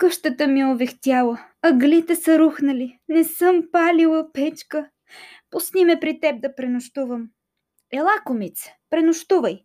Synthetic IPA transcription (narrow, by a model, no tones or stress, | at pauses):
kɤʃt̪ət̪əmiovɛxt̪ʲjalˠə | ɐɡlit̪ɛsɐɾuxnəlinɛsɤmpalʲilˠəpɛt͡ʃkə | posnʲimɛpɾit̪ɛb̚d̪ɐpɾɛnʊʃt̪uvəm | ɛlˠakomit̪spɾɛnʊʃt̪uvəj